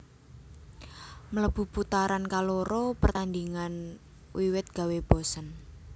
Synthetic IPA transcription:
mələb̥ṳput̪aɾankaloɾopərt̪and̪iŋan | wiwɪt̪̚ɡ̥a̤web̥o̤sən

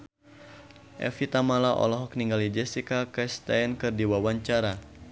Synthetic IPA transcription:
ʔɛ̰fit̪amalaʔɔ̰lɔɦɔk̚niŋɡalid͡ʒɛsikakɛst̪aɛnkɨrdiwawaɲt͡ʃaɾa

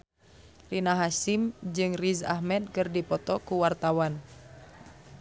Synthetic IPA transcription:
rinaɦasimd͡ʒɨŋriza̰hmɛd̪̚kɨrdipɔt̪ɔkuwart̪awan

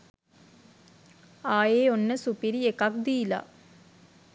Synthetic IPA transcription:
aːjeːonːəsupiɾiekɐk̚d̪iːla̰ː

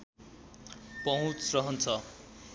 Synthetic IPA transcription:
pʌɦũt͡srʌɦʌnt͡sʰʌ

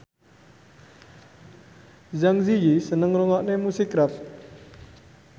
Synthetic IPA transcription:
zaŋzijisənəŋɾuŋɔʔnemusikɾaf

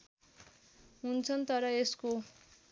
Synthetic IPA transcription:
ɦunt͡sʰʌnt̪ʌɾʌesko

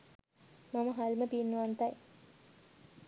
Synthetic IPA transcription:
maməɦaliməpinːuʋant̪ɐj

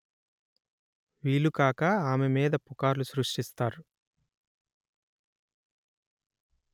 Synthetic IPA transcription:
ʋiːlːukaːkɐaːmemiːd̪ɐpukaːɾlusɾuʂʈist̪aːɾu

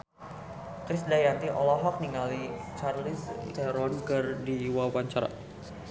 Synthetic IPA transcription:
kɾɪsdajant̪iʔɔlɔɦɔk̚niŋalit͡ʃarlist̪ɛɾɔnkərdiwawaɲt͡ʃaɾa̰

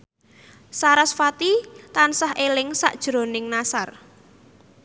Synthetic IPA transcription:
saɾasfat̪it̪ansahʔelɪŋsa̰ʔd̥ʒ̥ɾo̤nɪŋnasar

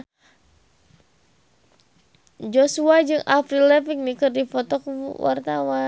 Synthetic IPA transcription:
d͡ʒɔsuad͡ʒɨŋʔafɾilɛpik̚nikɨrdifɔt̪ɔkuwa̰rt̪awa

